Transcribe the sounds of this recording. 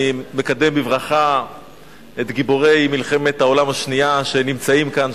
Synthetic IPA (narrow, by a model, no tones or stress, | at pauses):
mekad̪e̞mbivʁaχa | et̪ɡibo̞ʁe̞jmilχe̞me̞t̪hao̞lamaʃniaʃenimt͡saimkan